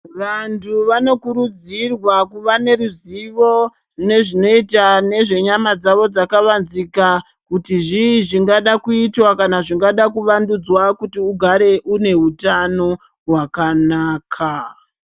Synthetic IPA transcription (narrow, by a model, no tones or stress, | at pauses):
ʋantʰuʋano̞kuɾud͡zirwakuʋane̞ruziʋo̞ | ne̞ʐino̞itane̞ʐe̞ɲamad͡zaʋo̞d͡zakaʋanzika | kutiʐiːʐiŋɡaɗakuitwakanaʐiŋɡaɗakuʋandud͡zwakutiuɡʱaɾe̞ʔune̞utano̞ | ɦwakanaːkʰa